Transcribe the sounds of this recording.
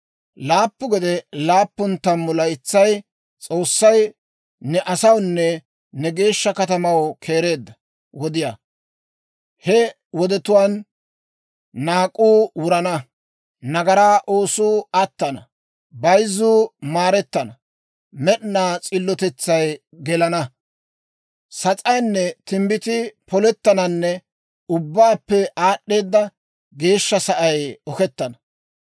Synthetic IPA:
laːpːʊɡɔd̪ɛlaːpːʊnt̪ːɐmːʊlɐjt͡sːɐj | t͡sʼo̞ːsːɐj | nɛʔɐsɐwnːɛ | nɛɡe̞ːʃːɐkɐt̪ɐmɐwkʰe̞ːɾe̞ːd̪ːɐ | wɔd̪ɪja | hɛ | wɔd̪ɛt̪ʊwaːn | aːkʼːuːwʊɾɐnɐ | nɐɡɐɾaːʔoːsuːɐt̪ːɐnɐ̰ | bɐjzuːmaːɾɛt̪ːɐnɐ | mɛɗnaːt͡sʼɪlːɔt̪ɛt͡sːɐj | ɡɛlɐnɐ | sɐt͡sʼɐjnːɛt̪ɪmbɪt̪ɪpɔlɛt̪ːɐnɐnːɛ | ʊbːaːpːɛʔaːɗːe̞ːd̪ːɐ | ɡe̞ːʃːɐsɐʔɐjɔkɛt̪ːɐnɐ

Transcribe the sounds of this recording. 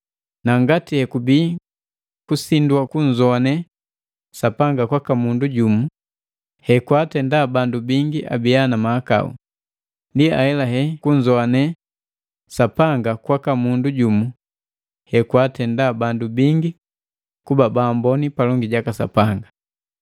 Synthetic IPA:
naŋɡatihɛkubi | kusinduwakuɲd͡ʒɔanɛ | sapaŋɡakwakamunduɟumu | hɛkwatɛndabandubiŋɡiʔa̰bianamaaka̰ṵ | ndia̰hɛlaɦɛkuɲzɔanɛ | sapaŋɡakwakamunduɟumu | hɛkwatɛndabandubiŋɡi | kubabambɔnipalɔŋɡiɟakasa̰paŋɡa

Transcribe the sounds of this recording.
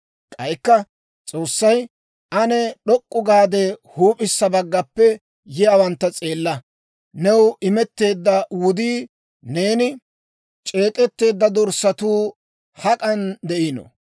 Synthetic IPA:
kʼɐjkːɐ | t͡sʼo̞ːsːɐj | ʔɐnɛɗɔkʼːʊɡaːd̪ɛhuːpʼɪsːɐbɐɡːɐpːɛ | jɪjaːwɐnt̪ːɐt͡sʼe̞ːlːɐ | nɛwɪmɛt̪ːe̞ːd̪ːɐwʊd̪iː | ne̞ːnɪ | t͡ʃʼe̞ːkʼɛt̪ːe̞ːd̪ːɐd̪ɔɾsɐt̪uː | hɐkʼɐnd̪ɛʔinɔ̰

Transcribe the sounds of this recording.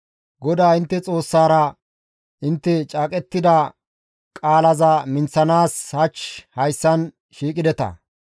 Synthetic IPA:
ɡɔd̪aːɪnt̪ːɛt͡sʼo̞ːsːaːɾɐ | ʔɪnt̪ːɛt͡ʃʼaːkʼɛt̪ːɪd̪ɐ | kʼaːlɐzɐmɪnt͡sːɐnaːshɐt͡ʃhɐjsːɐn | ʃiːkʼɪd̪ɛt̪ɐ̰

